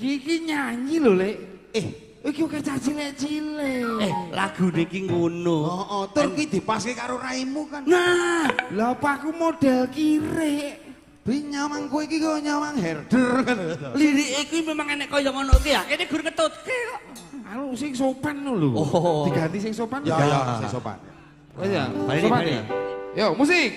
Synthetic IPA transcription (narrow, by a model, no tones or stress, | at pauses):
kiɲaɲiloleʔeh | ikioket͡ʃat͡ʃileʔt͡ʃileehla̰ɡ̥ṳneikiŋɡonoɔʔɔt̪ʊrkwid̪̥i̤paskekaɾoraimukannablapakumod̥ɛlkiɾeʔ | b̥iɲamaŋkueikikoɲamaŋhɛrd̥ərliɾiʔekwimemaŋɛnɛʔkɔjɔŋɔnɔʔkeakeneɡ̥ʊɾŋət̪ot̪̚keɔ | aɾusɪŋsopanːuluo̥i̤ɡ̥a̤nt̪isɪŋsopanjajasɪsopa̰na̰ | ja̰opaa̰jamusɪ